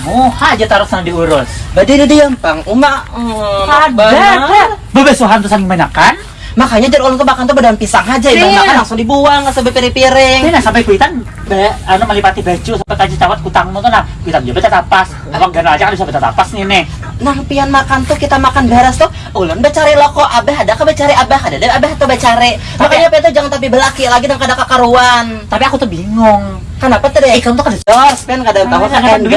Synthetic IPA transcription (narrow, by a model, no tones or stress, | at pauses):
ohad͡ʒat̪aɾʊt̪sanadiuɾʊsbadididijampaŋuma | aanbaa | bəbɛsuɦant̪ʊsaŋɪŋmanakan | makaɲad͡ʒaɾolʊnt̪umakant̪ʊbadalampisaŋɦad͡ʒaiamakanlaŋsʊŋdibuaŋasəbɛpiɾɪpiɾɪnasampajkuit̪an | beanʊməlipat̪ibed͡ʒusampajkad͡ʒat͡ʃawat̪̚kut̪aŋmut̪ulahkuit̪and͡ʒabɛt̪at̪apas | awaɡaɾaad͡ʒakanbis̬abət̪at̪a̰pasninɛ | nahpianmakant̪ʊhkit̪amakanbɛɾast̪ʊh | olʊnbət͡ʃaɾilokɔʔabɛɦadakabat͡ʃaɾɛʔabaɦadadaabɛht̪ubat͡ʃaɾɛ | makaɲapiant̪̬uhd͡ʒaŋant̪ap̬ibəlakilaɡidaŋkadakakaɾuant̪apiakut̪ʊhbiŋʊŋ | kənapat̪udajaiklnt̪uhkadad͡ʒɔspiankadat̪awaaaan